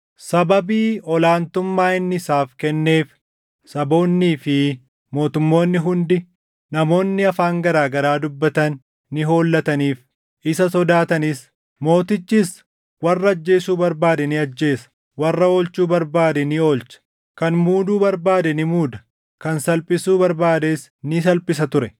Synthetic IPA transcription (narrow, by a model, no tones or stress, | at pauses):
sɐbɐbiːɔlaːnt̪ʊmːaːɪnːɪɪsaːfkɛnːe̞ːf | sɐbo̞ːnːiːfɪ | mo̞ːt̪ʊmːo̞ːnːɪɦʊnd̪ɪ | nɐmo̞ːnːɪɐfaːŋɡɐɾaːɡɐɾaːd̪ʊbːɐt̪ɐnː | ɪɦo̞ːlːɐt̪ɐniːf | ɪsɐsɔd̪aːt̪ɐnɪs | mo̞ːt̪ɪt͡ʃːiːs | wɐrːɐɐd͡ʒːe̞ːsuːbɐɾbaːd̪ɛnɪɐd͡ʒːe̞ːsɐ̥ | wɐrːɐoːlt͡ʃuːbɐɾbaːd̪ɛnɪo̞ːlt͡ʃɐ̥ | kɐnmuːd̪uːbɐɾbaːd̪ɛnɪmuːd̪ɐ | kɐnsɐlpʼɪsuːbɐɾbaːd̪eːs | nɪsɐlpʼɪs̬ɐt̪ʊɾɛ